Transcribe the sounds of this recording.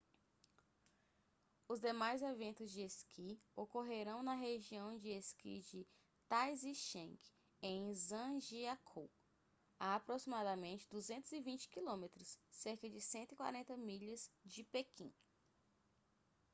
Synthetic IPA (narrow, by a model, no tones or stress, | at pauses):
ʊzd̪emajzevẽnt̪ʊzd͡ʒɪeskʰiokoɦeɾɐ̃w̃nɐɦeʒiɐ̃w̃d͡ʒɪeskḭd͡ʒɪ | t̪ajziʃẽŋk | ẽj̃zɐ̃ʒiakʰo | aːpɾosimad̪ɐmẽnt͡ʃɪd̪uzẽnt̪ʊzivĩnt͡ʃɪ̥kilõmet̪ɾʊsːeɾkɐd͡ʒɪsẽnt̪wikwa̰ɾẽnt̪ɐmiʎɐzd͡ʒɪpekʰḭ̃